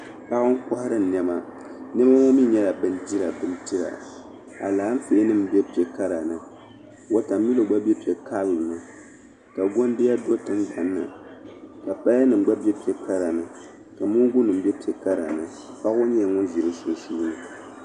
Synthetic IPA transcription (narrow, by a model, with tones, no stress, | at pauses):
pa˦ʔʊ˦ŋ˦kɔ˦hɾɨ˦˨nɛ˦ma˦ | nɛ˦m˦a˦ŋɔ˦mi˦ɲɛ˦la˨bɨ˦ndi˦ɾa˨bɨ˦n˦ti˦ɾa̰˨ | a˨laː˨˦m̩˦feː˨˦nɨ˦˨m˨bɛ˦pi˨ɛ˨ka˦ɾa˨nɨ˨ | wo˦ta˨mː˦i˦lo˨ɡ͡ba˦bʲɛ˦pi˨ɛ˨ka˦lm˨nɨ˦ | ka˨ɡo˦n˦dɪ˦ja˦do˦tɨ˦ŋɡ͡ba˨nːɨ̰˨ | ka˨pa˦ja˦nɨ˨m˦ɡ͡ba˦bɛ˦pi˨ɛ˨ka˦ɾa˨nɨ˨ | ka˨mu˦ɡʊ˦nɨ˨m˦bɛ˦pi˨ɛ˨ka˦ɾa̰˨nɨ˨ | pa˦ʔo˦ɲɛ˦˨ŋɔ˦nzi˨ɾɨ˦sʊ˨n˨suː˦nɨ˨